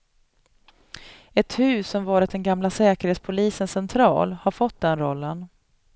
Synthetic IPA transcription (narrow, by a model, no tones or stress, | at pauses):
ɛt̪hʉ̟ːsːɔmvɑːɾɪt̪̚d̪ɛnɡamlasɛːkəɾheːt̪spʰʊliːsənsɛnt̪ʰɾɑ̰ːlhaɾfɔt̪̚ːd̪ɛnɾɔlːən